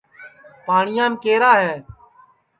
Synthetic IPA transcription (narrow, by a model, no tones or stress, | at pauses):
paːɳɪjãːnkeːɾaːɦɛː